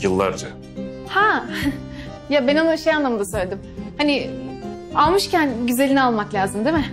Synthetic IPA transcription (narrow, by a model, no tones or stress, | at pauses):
jɯlˠːa̰ɾd͡ʒa | ha | jabenonʃe̞janlˠamɯnd̪asø̞jlʲed̪imhanɪ | alˠmɯʃcænɟyze̞lʲinialˠmaklʲaːzɯmd̪emɪ